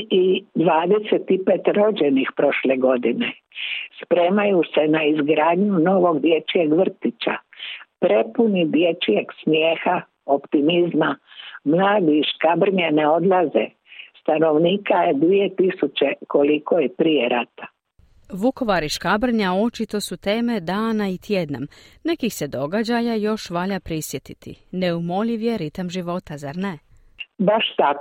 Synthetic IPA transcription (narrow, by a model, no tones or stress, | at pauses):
id̪ʋaːd̪eset̪ipet̪ɾo̞d͡ʑenixpɾo̞ʃle̞ɡo̞d̪ine | spɾe̞ːmajuse̞naizɡɾaːd̪ɲuno̞ʋo̞ɡd̪je̞t͡ʃieɡʋr̩t̪it͡ʃa̰pɾe̞punid̪jet͡ʃijeɡsmjeːxa | o̞pt̪imizmamlaːd̪iʃkabr̩ɲaneo̞d̪lˠazḛ | st̪ano̞ʋniːkajed̪ʋie̞t̪isut͡ʃekolikojepɾijeɾat̪ḁ | ʋuko̞ʋaɾiʃkabr̩ɲao̞t͡ʃit̪o̞sut̪e̞ːme̞d̪aːnait̪je̞d̪namne̞kixse̞d̪o̞ɡad͡ʑajajo̞ʃʋaʎapɾisje̞t̪it̪ʰḭne̞umo̞liʋje̞ɾit̪amʒiʋo̞t̪azaɾne̞ | baʃt̪ak